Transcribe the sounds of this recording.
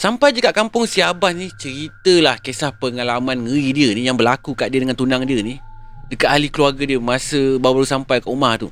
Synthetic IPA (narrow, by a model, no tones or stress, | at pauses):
sampajd͡ʒəkaʔkampʊŋsiabat̪niht͡ʃəɾit̪əlahkesahpəŋalamãnŋəidiənijaŋbəlakukaʔdiədəŋant̪unaŋdiənihdəkaʔ̪alikəluarɡədiəmasəbawalusampajkaʔumaht̪ṵ